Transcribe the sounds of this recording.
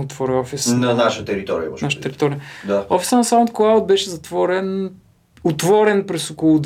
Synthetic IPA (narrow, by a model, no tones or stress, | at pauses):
ot̪vɔɾɛɔfisnɐnaʃət̪ɛɾit̪ɔɾijə̰ɔ̰naʃət̪ɛɾit̪ɔɾijəd̪aɔfi̥sənɐsam̃nt̪̚klˠawt̪̚bɛʃɛzɐt̪vɔɾɛn | ʊt̪vɔɾɛnpɾɛsokolˠʊd̪